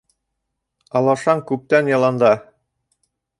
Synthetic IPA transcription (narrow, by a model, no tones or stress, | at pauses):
ɑlˠɑʃɑɴkʉp̚t̪ænjɑlˠɑnd̪ɑ